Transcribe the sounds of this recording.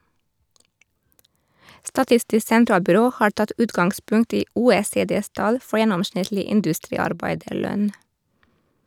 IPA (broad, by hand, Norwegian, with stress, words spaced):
stɑˈtɪstɪs sɛnˈtɾɑːlbʏˌɾoː ˈhɑːɹ ˈtɑt ˈʉːtɡɑŋɡˌspʉŋt ˈiː ˈuːeːˌseːˌdeːs ˈtɑl ˈfɔɹ ˈjɛnɔmˌʃɳɪtlɪ ˈɪndʉstɾiːɑɾˌbæɪdəˌɭœn